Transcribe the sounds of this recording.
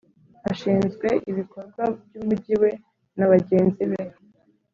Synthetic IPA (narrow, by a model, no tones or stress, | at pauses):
aʃiːnzɡwe̞ʔiβiko̞ɾɡwavjuːmuɟiwe̞ | naβaɟe̞ːnziβe